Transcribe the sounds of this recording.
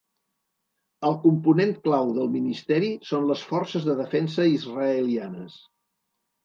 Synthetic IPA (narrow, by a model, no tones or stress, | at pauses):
əlˠkumpunent̪klawðəlˠminist̪ɛɾisonləsfɔrsəzðəðəfɛnsəizrəəlianəs